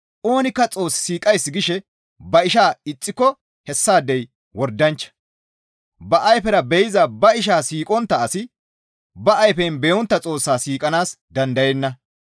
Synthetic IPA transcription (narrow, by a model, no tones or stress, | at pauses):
ʔo̞ːnɪkːɐt͡sʼo̞ːsːɪ̥siːkʼɐjsːɪɡɪʃɛ | bɐɪʃaːɪt͡sʼːɪkːɔ | hɛsːaːd̪ɛj | wɔɾd̪ɐnt͡ʃːɐ̥ | bɐʔɐjfɛɾɐbɛjɪzɐbɐɪʃ̬aːsiːkʼɔnt̪ːɐːsɪ | bɐʔːjfɛnbɛjɔnt̪ːɐt͡sʼo̞ːsːaːsiːkʼɐnaːs | d̪ɐnd̪ɐjɛnːɐ